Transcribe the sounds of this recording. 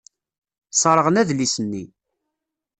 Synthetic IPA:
sˤɑɾˤəʁənæðlisənːḭ

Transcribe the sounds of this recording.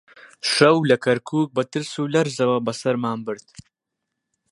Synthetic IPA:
ʃɐwlɐkʰɐɾkʰuːk̚bɐt̪ɨlsulɐɾzɐwɐbɐsɐɾmaːmbɨɾt̪̚

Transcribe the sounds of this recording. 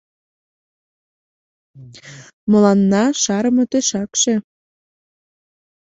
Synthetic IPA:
mɤ̆lɑnːɑʃɑɾəmɤ̆t̪eʃɑkʃe

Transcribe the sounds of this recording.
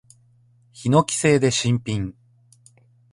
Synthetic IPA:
çino̞kʲi̥se̞ːd̪e̞ɕĩmpʲĩŋ

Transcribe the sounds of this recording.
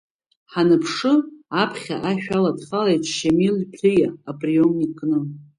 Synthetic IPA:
ħanɨpʰʂɨapʰχʲaʔaʃᶣaladχalejtʰʼʃamilpʷʰɨjaːpʼriomikʼnɨ

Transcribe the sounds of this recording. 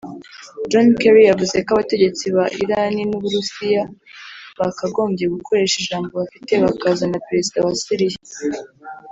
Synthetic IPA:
d͡ʒonkeɾijavuze̞kaβate̞ɟe̞t͡siβaʔiɾaninuβuɾusija | βakaɡo̞ːmbɟeɡukʰo̞ɾe̞ːʃiʒaːmbo̞βafite̞βakazanapeɾe̞zidawasiɾije

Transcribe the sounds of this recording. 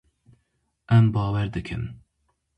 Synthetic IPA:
ʔɛmbɑːwɛɾd̪ɨkʰɨ̰n

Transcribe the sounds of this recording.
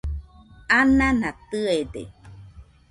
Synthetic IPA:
anãnãt̪ɨedḛ

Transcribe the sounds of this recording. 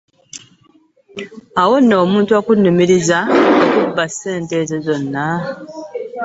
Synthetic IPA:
awonːoːmuːntuakunːumiɾizaokubːaseːntezezo̞nːa

